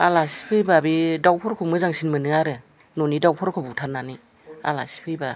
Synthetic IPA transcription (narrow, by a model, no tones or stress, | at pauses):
alasi̥pʰɯjbabidawpʰɔɾkʰɯmɯzaŋsinmɯnɯŋaɾɯ | nonidawpʰɔɾkʰɔbutʰaɾnani | a̰la̰si̥pʰɯjba